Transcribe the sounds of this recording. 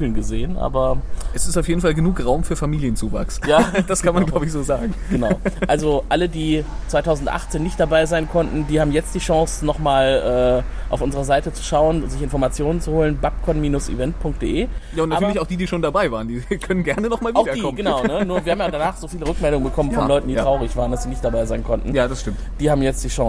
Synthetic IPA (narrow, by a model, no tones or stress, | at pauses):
l̩nɡəzeːənʔa̰ːbɐʔɛsɪstaʊfjeːdn̩falɡənuːkʁaʊmfyːɐfamiːljənt͡suːva̰ksjaːd̥askʰanmanɡlʊbəɪçz̥oːzaːɡŋ̩ɡ̥ənaʊʔalzoʔalədiːt͡sv̥aɪtʰaʊzn̩tʔa̰χt͡seːnːɪçt̚d̥abaɪzaɪnkʰɔntn̩diːhaːbm̩jɛt͡std̥iːʃɔ̃ŋsnɔχmaːlʔɛːʔaʊfʔʊnzəʁɐzaɪtət͡su̥ʃaʊənzɪçɪnfɔɐmat͡sjoːnənt͡suhoːlənbap̚kʰɔnmiːnʊsʔḭvɛntpʰʊŋk̚t̚d̥ḛːʔeːjaːʊntnaːyɐlçaʊxd̥iːdiːʃoːndabaɪvaːʁəndiːkʰœnənɡɛɐnənɔχmaːlvaʊɐikːɔmɡənaʊnənuːɐviːɐhaːmjadanaːχz̥oːfiːləʁʏkmɛldʊŋənbəkʰɔmənfɔlɔʏtn̩diːtʁ̥aʊʁɪçv̥aːʁəndasz̥iːnɪçtd̥abaɪzaɪnkʰɔntn̩jaːdasʃtɪmtd̥iːhaːbm̩jɛt͡std̥iːʃɔ̃ŋ